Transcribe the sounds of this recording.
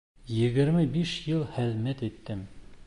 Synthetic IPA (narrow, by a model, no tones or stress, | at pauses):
jɘ̆ɡɘ̆ɾmɘbiʃjɤlˠhɘ̆ðmæt̪it̪ːɘm